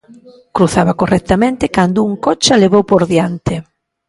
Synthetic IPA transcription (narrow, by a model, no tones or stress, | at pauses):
kɾuθaβɐkorʔɛk̚t̪amẽnt̪ɪkand̪ʊuŋkot͡ʃaleβowpoɾðjant̪ɪ